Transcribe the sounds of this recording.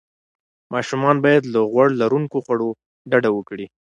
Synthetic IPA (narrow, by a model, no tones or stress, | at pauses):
mɑʃumɑnbɑjad̪ləɣwaɽlaɾuŋkoxwaɽo | ɖaɽawəkɽi